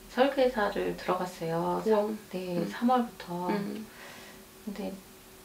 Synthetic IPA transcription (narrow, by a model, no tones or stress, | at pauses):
sʰʌɭɡesʰaɾɯɭtɯɾʌɡas͈ʌjosane̞sʰamwʌɭbutʰʌ | kɯnde̞